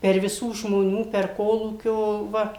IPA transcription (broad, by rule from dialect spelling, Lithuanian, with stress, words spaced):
pʲɛr ʋʲɪˈsuː ʒmoːˈnʲuː pʲɛr ˈkoːlˠuːkʲoː ˈʋɐ